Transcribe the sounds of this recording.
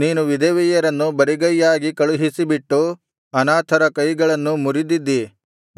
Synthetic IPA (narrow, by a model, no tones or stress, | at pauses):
niːnuʋid̪ɐːʋijɐɾɐnːubɐɾiɡɐjːaːɡikɐɭuɦisibiʈːu | ɐnaːt̪ʰɐɾɐkɐjɡɐɭɐnːumuɾid̪id̪ːi